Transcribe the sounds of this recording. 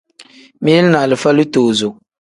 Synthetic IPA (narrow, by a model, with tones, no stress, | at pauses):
mi˦jɛ˦lna˨lɨ˨fa˦lɨ˦toː˨zʊ˨